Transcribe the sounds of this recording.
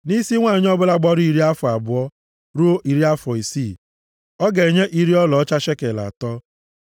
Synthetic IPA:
ni˦si˦ŋʷaː˦˨ɲ˦ɔ˦bʊ˦la˦ɡ͡bɔ˦ɾʊ˦i˨ɾi˦a˦fɔ˨a˨bʊ˨ɔ˦ | ɾu˦o˦ʔi˨ɾi˦a˦fɔ˨i˨si˦˨ | ɔ˦ɡe˨ɲe˦ʔi˦ɾi˦ɔ˦lɔ˨ɔ˦t͡ʃa˦ʃe˦ke˨la̰˨tɔ˦

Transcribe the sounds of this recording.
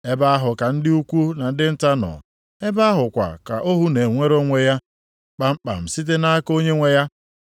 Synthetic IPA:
e˦ba˦a˦ɦʊ˨ka˨n̩˦dɪ˦u˦kʷu˦na˨n̩˦dɪ˦n̩˦ta˦nɔ̰˨ | e˦ba˦a˦ɦʊ˨kʷa̰˨ka̰˨ʔo˦ɦu˦ne˨ŋʷe˦ɾo˦ŋʷe˦ja˦ | k͡pa˨m̩˦k͡pa̰˨m̩˨si˦t̬e˦na˦a˦ko˦ɲe˦ŋʷe˦ja˦

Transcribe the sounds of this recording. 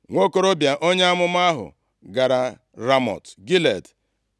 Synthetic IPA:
ŋʷo˦ko˨ɾo˦bja˨ʔo˦ɲe˦a˦mʊ˦m˦a˦ɦʊ̰˨ | ɡa˨ɾa˨ | ɾa˦mɔ̰˨tɡi˦le˨d

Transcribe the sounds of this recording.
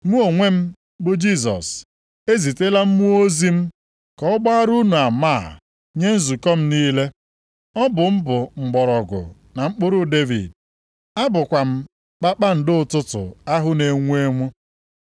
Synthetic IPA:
mu˦o˨ŋʷe˦m̩˦ | bʊ˨d͡ʒi˦˨s̬ɔ̰˨s | e˦zi˨te˦la˦m̩˦mu˦o˦zi˦m̩˦ | kɔ˨ɔ˦ɡ͡ba˦ɾu˦nu˨a˨ma˦˨ | ɲe˦n̩˦zu˨kɔ˦m̩˦niː˦le˦ | ɔ˦bʊ˨m̩˦bʊ˨ŋ͡m̩˨ɡ͡bɔ˨ɾɔ˨ɡʊ̰˨ | na˨ŋ͡m̩˦k͡pʊ˦ɾʊ˦de˦vḭ˨d̚ | a˦bʊ˨kʷa˨m̩˦ | k͡pa˦k͡pa˦n̩˨dɪ˦ʊ˨tʊ˦tʊ̰˨a˦ɦʊ˦ne˨ŋʷ˦e˦ŋʷʊ˦

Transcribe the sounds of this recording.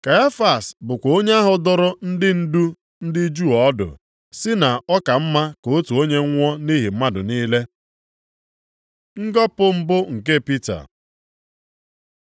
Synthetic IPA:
ka˨a˦fa˨sbʊ˨kʷo˦ɲe˦a˦ɦʊ˨dʊ˦ɾʊ˦n̩˦dɪ˦n̩˦du˦ | n̩˦dɪ˦d͡ʒu˦˨ɔ˦dʊ̰˨ | sɪ˦na˨ɔ˦ka˨m̩˦ma˦ko˨o˦tu˨o˦ɲe˦ŋʷɔ˦ni˦ɦi˨m̩˦ma˦dʊ̰˨niː˦le˦ | ŋ̩˦ɡɔ˦pʊ˦m̩˦bʊ˦ŋ̩˨ke˦pi˦ta̰˨

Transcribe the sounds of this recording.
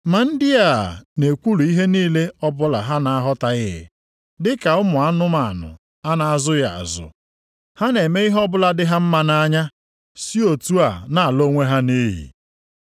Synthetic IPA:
ma˨n̩˦dɪ˦a̰˦˨ne˨kʷu˦lu˨i˦ɦe˦niː˦le˦ɔ˦bʊ˦la˨ɦa˦na˨a˦ɦɔ˦ta˨ɣɪ˦ɪ̰˨ | dɪ˦ka˨ʊ˦mʊ˨a˦nʊ˦ma˨nʊ̰˨ | a˦na˨a˦˨zʊ˦ja˨a̰˨zʊ̰˨ | ha˦ne˨me˦i˦ɦɔ˦bʊ˦la˦dɪ˦ɦa˦m̩˦ma˨na˦ɲa˦ | si˦o˨tu˦a˨na˨a˨lo˦ŋʷe˦ɦa˦ni˦ɦḭ˨

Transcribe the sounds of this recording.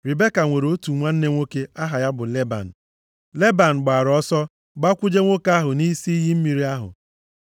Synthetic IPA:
ɾi˨be˦ka˨ŋʷe˨ɾo˦tu˨ŋʷa˦n̩˦ne˦ŋʷo˦ke˦a˦ɦa˨ja˦bʊ˨le˦ba̰˨n̩˨ | le˦ba˨n̩˨ɡ͡ba˨ɾɔ˦sɔ˦ | ɡ͡ba˦kʷʊ˦d͡ʒe˦ŋʷo˦ka˦ɦʊ˨ni˦si˦i˦ɦi˦m̩˦mi˨ɾi˦a˦ɦʊ̰˨

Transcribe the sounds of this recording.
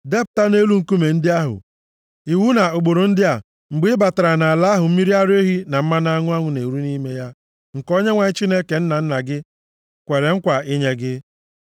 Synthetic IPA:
de˦p̚ʊ˨ta˦ne˦lu˦ŋ̩˦˨ku˦me˨n̩˦dɪ˦a˦ɦʊ̰˨ | i˨wu˦na˨o˨ɡ͡bo˨ɾo˨n̩˦dɪ˦a˨ | ŋ͡m̩˨ɡ͡bɪ˦ba˨ta˨ɾa˨na˨a˨la˦ɦʊ˨m̩˦mi˦ɾi˦a˦ɾe˦ɦi˦na˨m̩˦ma˦n˦a˦ŋʷʊ˦a˦ŋʷʊ˨ne˨ɾu˦ni˦me˦ja˦ | ŋ̩˨ko˦ɲe˦ŋʷa˨ɲɪ˦t͡ʃi˦ne˦ke˨n̩˦na˨n̩˦na˨ɡɪ˦ | kʷe˨ɾe˨ŋ̩˦kʷa˨i˦ɲe˦ɡɪ˦

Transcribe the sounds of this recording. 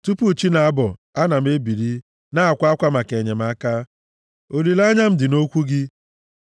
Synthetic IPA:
tu˦pu˦˨t͡ʃi˦na˨a˦bɔ˨a˦na˨m̩˦e˦bi˨ɾi˦ | na˦a˨kʷa˦a˦kʷa˦ma˨ke˨ɲe˨m̩˦a˦ka˦ | o˨li˨la˦ɲa˦m̩˦dɪ˨no˦kʷu˦ɡɪ˦

